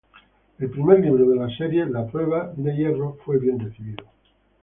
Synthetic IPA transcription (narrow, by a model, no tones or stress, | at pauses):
elpɾimeɾmiβɾoðelase̞ɾje̞lapɾwe̞β̞ad̪e̞je̞rofwe̞βje̞nreθiβiðo